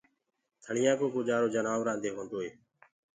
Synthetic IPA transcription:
t̪ʰəɳ̤ɪjãːkoːkod͡ʒaːɾoːd͡ʒənaːʋɾãːnd̪eːɦõːnd̪oːɦeː

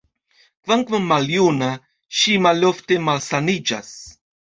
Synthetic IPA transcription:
vaŋkvamaljuna | ʃimaloft̪emalsanid͡ʒa̰s

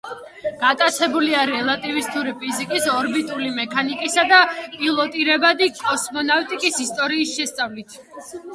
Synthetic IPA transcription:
ɡ̥at̪ʼat̪sʰɛbuliaɾɛlˠat̪ʼivist̪ʰʼuɾipʰʼizikʼisɔɾbit̪ʼulimɛkʰanikʼisad̪apʼilˠɔt̪ʼiɾɛbad̪ikʼɔsmɔnaft̪ʼikʼisist̪ʼɔɾiːsʃɛst̪sʼavlit̪ʰ

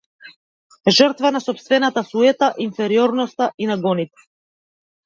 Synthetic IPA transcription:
ʒərt̪vanasɔpst̪vɛnat̪asuɛt̪aʔinfɛɾiɔɾnɔst̪aʔinaɡɔnit̪ɛ̥

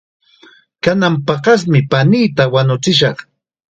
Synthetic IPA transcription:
kanampɑqɑs̬mɪpaniːt̪awanʊt͡sɪʃɑχ

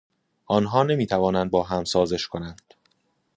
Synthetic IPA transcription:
ʔɒːnɦɒːne̞miːt̪ʰævɒːnænd̪̚bɒːɦæmsɒːze̞ʃkʰo̞nænd̪̥

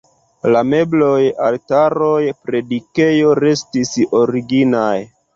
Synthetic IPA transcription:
lame̞blo̞jaltaɾo̞jpɾe̞dike̞jo̞ɾe̞stiso̞ɾiɡinaj

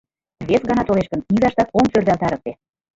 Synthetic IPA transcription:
βesɡɑnɑt̪oleʃkə̆nnizɑʃt̪ɑt̪omsørd̪ælt̪ɑɾək̚t̪e

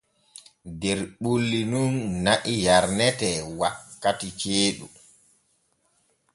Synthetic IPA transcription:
dɛɾɓulːinunːaʔijaɾnɛtɛwakːatit͡ʃeːɗu

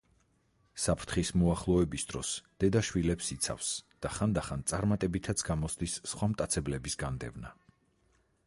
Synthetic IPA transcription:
sapʰɾt̪ʰχismuaχlˠɔɛbisd̪̥ɾɔ̰sd̪̥ɛd̪aʃwilɛpsit̪sʰa̰fsd̪̥aχand̪aχant̪sʼaɾmat̪ʼɛbit̪ʰat̪sʰɡ̥amɔsd̪isːχwamt̪ʼat̪sʰɛblɛbisɡand̪ɛ̰vna

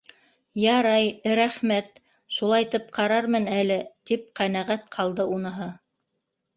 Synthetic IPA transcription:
jɑɾɑjɾæχmæt̪ | ʃulˠɑjt̪ɤp̚qɑɾɑɾmɤnælɘt̪ip̚qænæʁæt̪qʰɑlˠd̪ɤunɤ̆ɦɤ

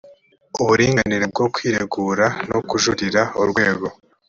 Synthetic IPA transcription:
uβuɾiːŋɡaniɾeb̚ɡo̞kwiːɾeɡuːɾanokuʒuɾiɾauɾɡwe̞ːɡo̞

